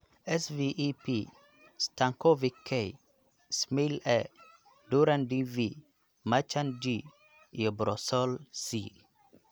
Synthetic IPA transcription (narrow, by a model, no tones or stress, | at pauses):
ɛsviʔipi | st̪aŋkɔvikʰːɛj | smilɛ | duɾandivi | mat͡ʃandi | jɔbɾɔsɔlsi